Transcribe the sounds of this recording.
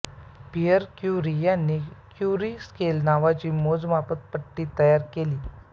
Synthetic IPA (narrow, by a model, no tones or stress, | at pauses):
pijəɾkjuɾijanːiːkʰjuɾiːskelnaʋat͡ɕiːmod͡zmapət̪̚pəʈːiːt̪əjaɾkeliː